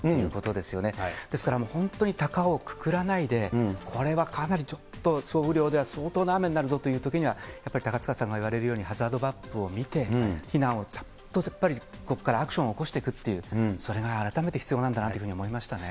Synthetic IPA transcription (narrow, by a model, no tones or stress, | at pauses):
t̪ːejɯːko̞t̪o̞d̪e̞sɨjo̞ne̞d̪̥e̞sɨ̥kaɾamo̞ːhõ̞nt̪oɲ̟it̪akaoːkɯ̥kɯ̟ɾanaid̪e̞kʰo̞ɾe̞βakʰanaɾʲit͡ɕo̞t̪ːo̞so̞ːɯ̟ɾʲo̞ːd̪e̞βaso̞ːt̪oːnaame̞ɲnːaɾɯ̟zo̞t̪o̞jɯ̟ːt̪o̞kʲiɲ̟iβajjapːaɾi̥t̪akat͡sɨ̥kasãŋɡaiβ̞aɾe̞ɾɯjo̞ːɲ̟ihazɨaːd̪o̞bapːɯo̞mʲit̪e̞çinãɰ̃o̞t͡ɕo̥ | t̪ːo̞apːaɾʲi | ko̞kːaɾaːkɯ̟ɕõ̞oːko̞ɕi̥t̪e̞kɯ̟t̪ːe̞jɯ̟ːso̞ɾe̞ɡaːɾat̪ame̞t̪eçi̥t͡sɨjo̞nãnd̪anat̪eɯ̟ɯ̟ɲio̞mo̞imaɕi̥t̪ane̞